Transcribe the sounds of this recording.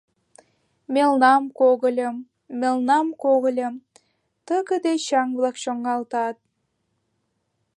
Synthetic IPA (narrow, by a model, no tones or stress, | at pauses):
mʲelˠnɑmkoɣə̆lʲɤ̆m | mʲelˠnɑmkoɣə̆lʲɤm | t̪əkə̆d̪eɕɑŋblˠɑkʃoŋɑlˠt̪ɑt̪̚